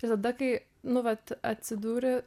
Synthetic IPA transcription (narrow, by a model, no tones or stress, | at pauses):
ɪɾt̪ɐd̪ɐkɐɪ | nʊʋɐt̪ɐt̪ʲsʲɪd̪uːɾʲɪ